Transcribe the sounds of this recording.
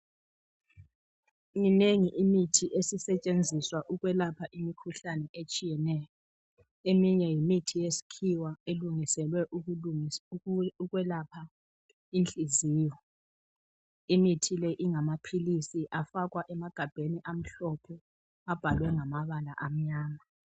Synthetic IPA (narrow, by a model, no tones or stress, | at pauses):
ŋineŋiʔimitʰiʔesisɛt͡ʃʼend͡zʱiswaʔuɣwɛlapʰaʔimikʰuɬanɛʔet͡ʃʼijɛnɛːjɔ | emiɲɛjimitʰijesi̥kʰiwaeluŋisɛlwɛʔu | uɣwɛlapʰa | int͡ɬʼiziːjɔ | imitʰilɛʔiŋamapʰilisiʔafakwaʔɛmaɡ̥ʱab̥ʱeniʔam̩ɬɔpʰɔ | ab̥ʱalwɛŋamaβala̰ʔam̩ɲaːma